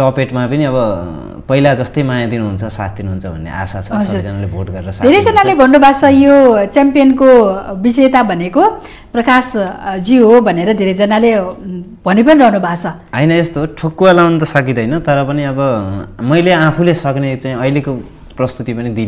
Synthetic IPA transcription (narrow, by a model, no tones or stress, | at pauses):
ʈʌpeʈmapʌniʌβʌ | pʌilad͡zʌst̪ʌjmajad̪inuɦunt͡sʰʌsa̰t̪ʰd̪inuɦunt͡sʰʌbʱʌnːḛʔa̰sat͡sʰʌʌd͡zud͡zʌnalebʱoʈɡʌɾeɾʌsʌkd̪ʱeɾʌd͡zʌnalebʱʌnːubʱat͡sʰʌjot͡sampijʌnkobiset̪abʱʌneko | prʌkasd͡ziɦobʱʌneɾʌd̪ʱeɾʌd͡zʌnale | b̥ʱʌnep̬ʌniɾʌɦnubʱat͡sʰʌ | ʌjnʌest̪oʈʰokːualawnt̪ʌsʌk̬id̪ʌjnʌt̪ʌɾʌpʌniʌbʌmʌjleapʰulesʌknet͡saĩʌijleko | prʌst̪ut̪ipʌnid̪in